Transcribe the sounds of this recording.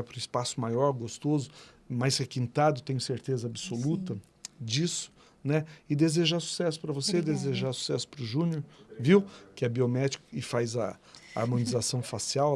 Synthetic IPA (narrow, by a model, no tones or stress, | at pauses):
ɐpɾʊɪspasʊmajɔɾɡost̪ozʊ | majsɛkĩnt̪ad̪ʊt̪ẽj̃ʊseɾt̪ezɐabsolut̪ɐ | d͡ʒisʊ̥ | nɛɪd̪ezeʒasu̥sɛsʊ̥pɾɐvosed̪ezeʒasu̥sɛsʊ̥pɾʊʒũnoɾviwkɪɛbiomɛd͡ʒikʊ̥ɪfazɐ | a̰ɾmõnizasɐ̃w̃fasiaw